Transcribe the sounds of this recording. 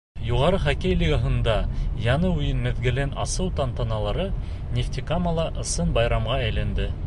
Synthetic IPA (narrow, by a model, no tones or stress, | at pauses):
juʁɑɾɤχækæjlʲeɡaɦɤ̆nd̪ɑjɑnɤʉjɘnmɘ̆ðɡɘ̆lænʔɑ̰sɤwt̪ɑnt̪ɑnɑlˠɑɾɤ | nʲeft̪ʲikamɑlˠɑʔɤ̆sɤnbɑjɾɑmʁɑæjlænd̪ɘ